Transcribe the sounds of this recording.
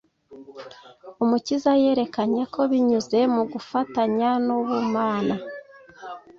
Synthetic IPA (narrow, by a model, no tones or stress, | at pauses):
umucizaje̞ːɾe̞kaɲe̞kʰo̞βiɲuze̞muɡufataɲanuβumaːna